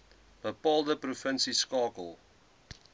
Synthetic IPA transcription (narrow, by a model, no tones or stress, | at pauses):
bəpɑlˠdəpɾofə̃nsiskɑːkəlˠ